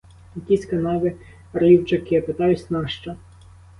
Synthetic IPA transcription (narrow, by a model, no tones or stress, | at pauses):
jɐkʲisʲkɐnɑʋɪ | riwt͡ʃɐkɪɐpɪt̪ɑjʊsʲnɑʃt͡ʃɐ